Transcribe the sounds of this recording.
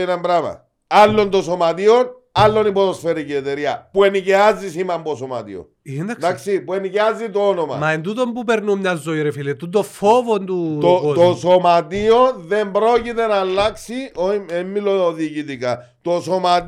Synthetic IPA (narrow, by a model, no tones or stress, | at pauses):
inɐmbɾamɐ̰ | alːo̞nt̪osomat̪ion | alːo̞nipot̪osfeɾiciet̪eɾiɐpueniceazisimɐmbosoma̰t̪ḭo̰nnd̪ak̪d̪aksipueniceazit̪oonomɐ̰mɐend̪ut̪ombupeɾnumɲɐzːoiɾefilet̪ːut̪ofovond̪uoot̪osomat̪ionðembɾo̞cit̪e̞naːlːaksioemːiloːðicit̪ika | t̪osomat̪